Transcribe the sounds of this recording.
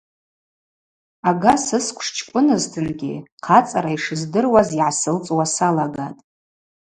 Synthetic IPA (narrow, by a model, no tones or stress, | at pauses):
aɡasɨskʷʰʼʂt͡ʃʰkʷʼʊnɨztʰɨnɡʲḭqʰat͡sʼaɾaiʂɨzdɨrwaziʕasɨlt͡sʼwasalaɡatʼ